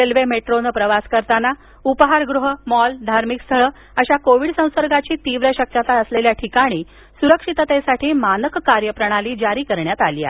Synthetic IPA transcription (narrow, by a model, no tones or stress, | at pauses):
elʋemeʈɾonpɾəʋaskəɾt̪ana | upəɦaɾɡɾuɦəmɔld̪ʱaɾmikst̪ʰəɭə | əɕakoʋiɽsə̃w̃səɾɡat͡ɕiːt̪iʋɾjaɕəkːjat̪aəsleljaʈʰikaɽ̃iː | suɾəkʂit̪ət̪esaʈʰiːmanəkːaɾjəpɾəɽ̃aliːd͡ʑaɾiːkəɾɳjat̪alija̰